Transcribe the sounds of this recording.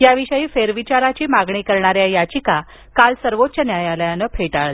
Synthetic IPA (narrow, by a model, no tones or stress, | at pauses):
jaʋiɕəjiːfeɾʋit͡ɕaɾat͡ɕiːmaɡɳiːkəɾɳaɾjajat͡ɕika | kalsəɾʋot̪̚ːt͡ɕənjajaljanəpʰeʈaɭ